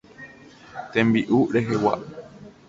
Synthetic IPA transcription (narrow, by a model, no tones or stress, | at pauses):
t̪ẽmbiʔuɾe̞ɦewa̰ʔ